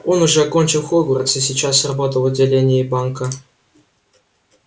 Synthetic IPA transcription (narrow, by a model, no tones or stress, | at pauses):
onuʐɛakonʲt͡ɕɪlˠxoɡuɾət̪sɨs̬ʲit͡ɕas̬rabot̪əlˠɐdʲɪlʲenʲɪjibɑŋkə